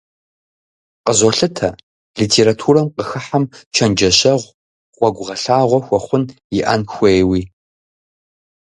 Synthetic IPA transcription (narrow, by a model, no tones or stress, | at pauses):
qəzɔɬɨtʰɐ | liːtʰeːɾatʰuːrɐmqəxɐħamt͡ʃʰɐnd͡ʒɐɕɐʁʷ | ʁʷɔɡʷʊʁɐɬaːʁʷɔxʷɔχʷʊnjɪʔa̰nxʷejwiː